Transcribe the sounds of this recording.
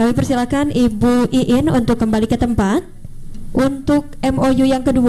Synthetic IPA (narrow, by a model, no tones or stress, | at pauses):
kawipərsilakanibuʔiʔɪnunt̪ʊkːəmbalikət̪əmpat̪̚ | ʔunt̪ʊk̚ɛmojujaŋkədu